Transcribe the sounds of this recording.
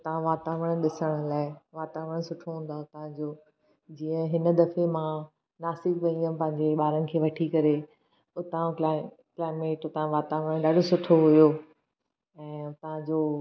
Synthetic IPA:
t̪ɐɦãʋaːt̪aːʋəɽ̃ɗɪsəɽ̃ʊ̆laːɪʋaːt̪aːʋəɽ̃sʊʈʰoɦũːnd̪at̪ɐʋ̤ãd͡ʑoː | d͡ʑiːə̃ɦɪnə̆d̪ɐfemã | naːsɪkʋɐ̃ĩə̃pɐ̃ɦɪ̃ɲd͡ʑeɓaːɾənɪ̆kʰeːʋɐʈʰikɐɾe | ʊt̪ãla | klaːɪmeːʈʊt̪ãʋaːt̪aːʋəɽ̃ɗaːɖʱosʊʈʰoɦʊjoː | ɛ̃ːt̪ɐʋ̤ãd͡ʑoː

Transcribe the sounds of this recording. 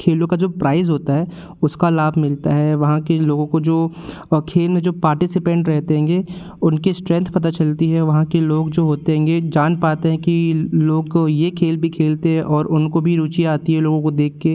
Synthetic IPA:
kʰeːlõkad͡ʒoːpɾaːɪzɦoːt̪aɦɛː | ʊskalaːbʱmɪlt̪aɦɛʋɐɦãkeloːɡõkod͡ʒoː | kʰeːlmẽd͡ʒoːpaːɾʈɪsɪpɛ̃ɳʈɾɛɦt̪eɦɛ̃ːŋɡe | ʊnkesʈɾɛ̃nt̪ʰpɐt̪at͡ʃɐlt̪iɦɛʋɐɦãkeloːɡd͡ʒoːɦoːt̪eɦɛ̃ːŋɡed͡ʒaːnpaːt̪eɦɛ̃kiloːɡjekʰeːlbʱikʰeːlt̪eɦɛ̃ʔɔːɾʔʊnkobʱiɾuːt͡ʃiaːt̪iɦɛloːɡõkod̪eːkʰːe

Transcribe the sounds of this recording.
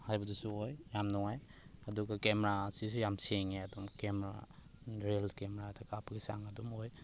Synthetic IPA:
hajbɐdusuojjamnɔŋajɐduɡakemeɾasis̬ujamseŋeɐdumkemeɾa̰ɾelkemeɾatʰɐkapʰɐɡisaŋɐdumoj

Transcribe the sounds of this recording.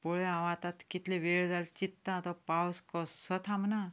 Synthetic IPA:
poɭeãʋat̪at̪kit̪leʋeɭd͡zalt͡ɕit̪ːat̪ɔpawskɔssət̪ʰamna

